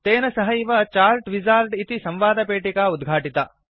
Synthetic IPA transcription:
t̪eːnɐsɐɦɐiʋɐt͡ʃaːlʈʋid͡ʒaːlʈit̪isɐmʋaːd̪ɐpeːʈikaːud̪ɡʱaːʈit̪ɐ

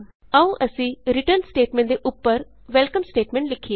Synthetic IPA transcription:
əũʔəsĩːɾɪʈəɾnsʈeːʈmẽɳʈd̪eʔʊpːəɾ | ʋɛlkəmsʈeːʈmẽɳʈlɪkʰːije

